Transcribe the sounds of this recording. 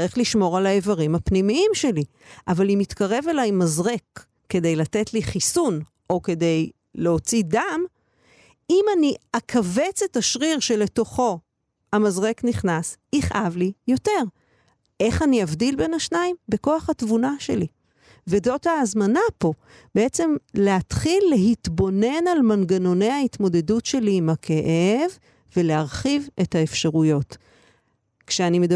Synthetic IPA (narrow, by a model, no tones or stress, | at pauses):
ʁiχliʃmo̞ʁalaevaʁimhapnimiimʃe̞li | ʔavalimitkaʁe̞velajmazʁe̞kː | e̞de̞jlate̞tliχisun | ʔo̞ke̞de̞j | le̞o̞t͡sidam | imaniakʰave̞t͡se̞taʃʁiʁʃe̞le̞to̞χo̞ | amazʁe̞kniχnasiχʔavlijo̞te̞ʁ | ʔe̞χaniavdilbe̞naʃnaimbe̞ko̞aχatvunaʃe̞li | vedo̞taːzmanapo̞ | b̥eet͡se̞mleat̪χilːe̞ɦitbo̞ne̞nalmanɡano̞nejaitmo̞de̞dutʃe̞liːmakʰe̞ʔev | ve̞leaʁχive̞thaefʃaʁujo̞t | kʃeanimed